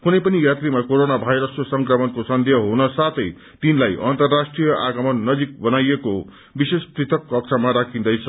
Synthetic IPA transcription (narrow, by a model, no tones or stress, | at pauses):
kunʌjpʌnijat̪rimakoɾonabʱajɾʌskosʌŋkrʌmʌnkosʌnd̪ʱjʌɦunʌsat̪ʰʌj | t̪inlajʔʌ̰nt̪ʌrːasʈrijʌʔaɡʌmʌnːʌd͡zik̚bʌnajeko | bisesprit̪ʰʌkːʌk̚t͡sʰamaɾakʰĩnd̪ʌjt͡sʰʌ